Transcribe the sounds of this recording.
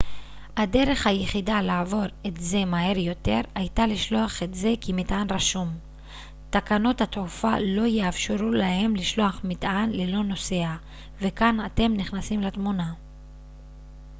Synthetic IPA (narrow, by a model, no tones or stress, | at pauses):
hade̞ʁe̞χhajeχidalaːvo̞ʁetze̞maɦe̞ʁjo̞te̞ʁajtaliʃlo̞aχe̞tze̞kimitʔanʁaʃum | takano̞thatufalo̞jeafʃeʁulahe̞mliʃlo̞aχmit̪ʔanlelo̞no̞se̞a | ve̞kanate̞mniχnasimlatmuna